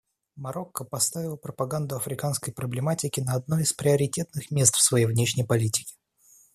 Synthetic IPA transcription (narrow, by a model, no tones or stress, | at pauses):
mɐɾo̞kːəpɐst̪avʲɪlˠəpɾəpɐɡand̪ʊɐfɾʲɪkanskəjpɾəblʲɪmatʲɪkʲɪnəɐd̪̚no̞ɪspɾʲɪɐɾʲɪtʲet̪nɨxmʲe̞st̪fsvɐjejvnʲeʂnʲəjpɐlʲitʲɪ̥kʲɪ̥